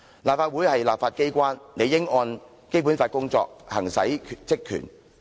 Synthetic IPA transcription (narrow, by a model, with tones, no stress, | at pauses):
laː˨p̚faː˧t̚wu˨˥jhɐ˨jlaː˨p̚faː˧t̚ke˥jkʷaː˥nne˨˧jɪ˥ŋɔː˧n | ke˥jp̬u˨˥nfaː˧t̚kʊ˥ŋt͡sɔ̰ː˧k̚hɐ˨˩ŋsɐ̰˨˥jʰt͡sɪ˥kʰːy̰˨˩n